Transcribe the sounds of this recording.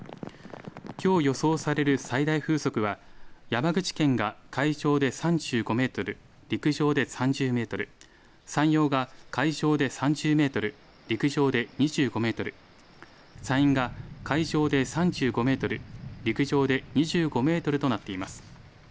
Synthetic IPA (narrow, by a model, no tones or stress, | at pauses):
kʲo̞ːjo̞so̞ːsaɾe̞ɾɯ̟said̪aiɸɯ̟ːso̞kɯ̟βajamaɡɯ̟t͡ɕi̥kẽ̞ŋɡakʰaiʑo̞ːd̪e̞sãɲd͡ʑɨːɡo̞me̞ːt̪o̞ɾɯ̟ | ɾʲikɯ̟ʑo̞ːd̪e̞sãɲd͡ʑɨːme̞ːt̪o̞ɾɯ̟ | sãɰ̃jo̞ːɡakaiʑo̞ːd̪e̞sãɲ̟d͡ʑɨːme̞ːt̪o̞ɾɯ̟ | ɾʲikɯ̟ʑo̞ːd̪e̞ɲ̟iʑɨːɡo̞me̞ːt̪o̞ɾɯ̟ | sãĩŋɡakaiʑo̞ːd̪e̞sãɲd͡ʑɨːɡo̞me̞ːt̪o̞ɾɯ̟ɾʲikɯ̟ʑo̞ːd̪e̞ɲ̟iʑɨːɡo̞me̞ːt̪o̞ɾɯ̟t̪o̞nat̪ːe̞imasɨ̥